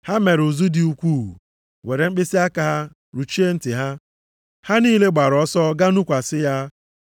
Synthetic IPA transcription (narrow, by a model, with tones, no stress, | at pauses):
ha˦me˨ɾu˨zu˦dɪ˨u˦kʷuː˦˨ṵ˨ | we˨ɾe˨ŋ͡m̩˦k͡pɪ˦si˦a˦ka˨ɦa˦ | ɾu˨t͡ʃi˦e˦n̩˦tɪ˨ɦa˦ | ha˦niː˦le˦ɡ͡ba˨ɾɔ˦sɔ˦ɡa˦nu˦kʷa˨sɪ˦ja˦